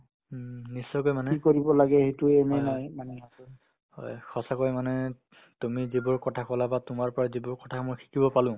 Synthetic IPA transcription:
nisːɔjkojmanɛikoɹibɔlaɡɛhetuɛmɛnajmanɛɦasɔ | hɔ̰jxʰɔsakojmanɛ | tumizibʊɹkɔtʰakɔlabatʊmaɹpɔɹazibʊɹkɔtʰamɔjkʰi̥kibɔpalʊ̃

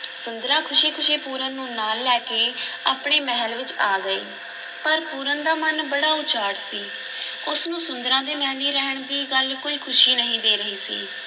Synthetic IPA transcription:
sʊnd̪ɾãːkʰʊʃiːkʰʊʃeːpuːɾənːũːnaːlːɛːkeːaːpɳeːmɛɦəlʋɪt͡ʃaːɡəḛː | pəɾpuːɾənd̪aːmənbəɽaːʊt͡ʃaːɽsiː | ʊsnũːsʊnd̪əɾãːd̪eːmɛ̃ːniːɾɛɦəɳd̪iːɡəlkoːiːkʰʊʃiːnəɦĩːd̪eːɾəɦiːsḭː

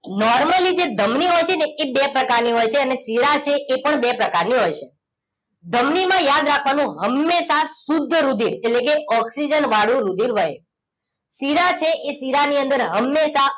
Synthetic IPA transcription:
nɔɾməlid͡ʒed̪ʱəmniɦojt͡ʃʰeneebepɾəkaɾniɦojt͡ʃʰeənesiɾat͡ʃʰeʔːpəɳbepɾəkaɾniɦojt͡ʃʰe | d̪ʱəmnimãjad̪ɾakʰʋanũɦəmːeʃasud̪ʱːəɾud̪ʱiɾetlekeɔksid͡ʒənʋaɽjũɾud̪ʱiɾʋəj | siɾat͡ʃʰeʔesiɾaniənd̪əɾɦəmːesa

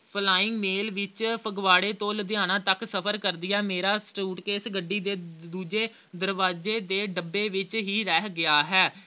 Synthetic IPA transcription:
pʰlaːɪŋɡmeːlʋɪt͡ʃpʰəɡʋaːɽeːt̪oːləd̪ɪjaːnãːt̪əksəpʰəɾkəɾd̪ɪjaːmeːɾaːsʈuːʈkeɪsɡəɖːiːd̪eːd̪uːd͡ʒeː | d̪əɾʋaːd͡ʒeːd̪eːɖəbːeːʋɪt͡ʃɦiːɾɛːɦɡɪaːɦɛː

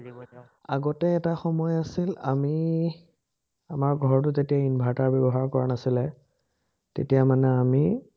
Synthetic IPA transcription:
a̰ɡɔtɛːtaxɔmɔjasila̰mi | amaɹɡʱɔɹt̬ʊzetijainbʱaɹtaɹbɛbɔɦaɹkɔɹa̰nasilɛ | tḛtijamanɛami

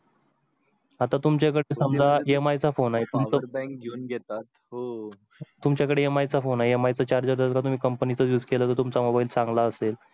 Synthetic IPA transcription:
at̪at̪umt͡ɕakəɽesamlaemajt͡safonajet̪umt͡səbɡnɡʱet̪at̪ɦo | t̪umt͡ɕjakəɽeemajt͡safonajeemajt͡sət͡ɕaɾd͡ʑəɾd̪əskat̪um̤iːkəmpənit͡səjuːd͡zkeləːt̪ət̪umt͡samobaiːlsãŋɡlaəsel

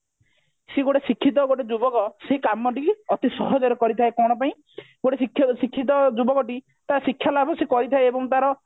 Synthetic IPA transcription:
seɡoʈesikʰːit̪̬ɔɡoʈed͡ʒubɔkɔsekamɔʈiɔt̪isɔɦɔd͡ʒɔɾɔkɔɾit̪ʰaekɔɽ̃ɔpaĩ | ɡoʈesikʰːjsikʰːit̪̬ɔd͡ʒubɔkɔʈi | t̪asikʰːjalabʱɔsekɔɾit̪ʰaeebɔŋt̪aɾɔ

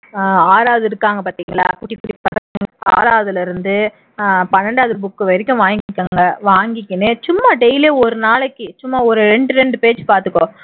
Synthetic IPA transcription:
aːɾaːʋðɯɪɾɯkːaːŋɡɐpaːɾt̪iːŋɡɐɭa̰ːkʊʈːikːʊʈɪpːɐðɐŋŋa̰ːɾaːʋðɪlɐɪɾɯnd̪ɯ | pɐnːɐɳɖaːðɯɾbʊkːɯʋɐɾɪkʲːʊ̃ʋaːŋɡɪkʲːaːŋɡɐʋaːŋɡɪkʲːɯnɯt͡ʃʊmːaːɖɛɪleːɔɾɯnaːlɐkːɯt͡ʃʊmːaːɔɾɯɾɛɳɖɯɾɛɳɖɯpeːt͡ʃːpaːɾt̪ɯkːõː

